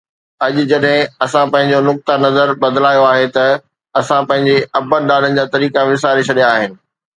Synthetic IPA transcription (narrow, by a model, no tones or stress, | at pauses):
ɐʄʊ̆d͡ʑɐɗɦɪ̃ɐsãpɐ̃ɦɪ̃ɲ̆d͡ʑonʊk̚t̪anɐzəɾbɐd̪laːjoaːɦet̪ɐ | ɐsãpɐ̃ɦɪ̃ɲd͡ʑeɐbənɗaːn̤ənɪ̆d͡ʑaːt̪ɐɾiːkaʋɪsaːɾet͡ɕʰɐɗijaːɦɪnɪ̆